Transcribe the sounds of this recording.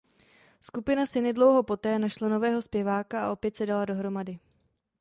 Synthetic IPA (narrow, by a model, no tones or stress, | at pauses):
skupɪnasɪnɪdlo̞wɦo̞po̞t̪ɛːnaʃlano̞vɛːɦo̞spjɛvaːkaaʔo̞pjɛt̪sɛdalado̞ɦɾo̞madɪ